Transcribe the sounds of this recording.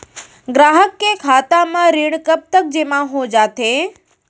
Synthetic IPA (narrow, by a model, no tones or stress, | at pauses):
ɡɾaːɦəkːekʰaːt̪amãɾiːɽ̃kəp̚t̪ək̚d͡ʑeːmãɦod͡ʒaːt̪ʰe